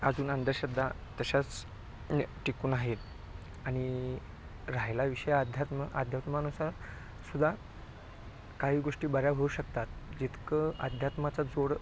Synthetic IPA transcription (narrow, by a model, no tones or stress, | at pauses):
əd͡zuːnənd̪əɾɕəd̪ʱːat̪əɕat͡s | ʈikuːnaɦet̪ | aɽ̃i | ɾaɦlaʋiʂəjad̪ʱjat̪mʔad̪ʱjat̪manusaɾ | sud̪ʱa | kaɦiːɡoʂʈiːbəɾjaɦouɕəkt̪at̪d͡ʑit̪kəəd̪ʱjat̪mat͡sad͡zoɽ